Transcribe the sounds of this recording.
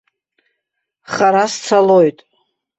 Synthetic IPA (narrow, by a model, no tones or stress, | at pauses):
χaɾast͡sʰalojtʼ